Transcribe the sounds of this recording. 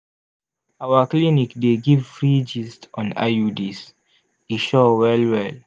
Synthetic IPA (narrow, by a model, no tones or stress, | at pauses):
awaklinikdeɡivfɹid͡ʒistɔ̃na̰judis | iʃowɛlwɛl